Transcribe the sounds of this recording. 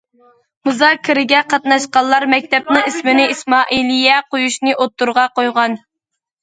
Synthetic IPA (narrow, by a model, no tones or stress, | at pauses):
muzɑːkʲʰːɪɾɪɡʲɛqʰɑt̪nɑʃqɑlːˠɑɾmɛk̚ʲt̪ɛp̚nɨŋismɪnɪismɑːʔilijɛqojuʃnɨʔot̪ːuɾʁɑqojʁɑn